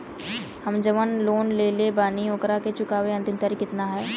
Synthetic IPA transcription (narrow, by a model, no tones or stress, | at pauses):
hɐmd͡ʒɐmənloːnleːlebaːniõːkɾaket͡ʃʊkaːweɐ̃nt̪ɪmt̪aːɾikɪt̪naɦɛː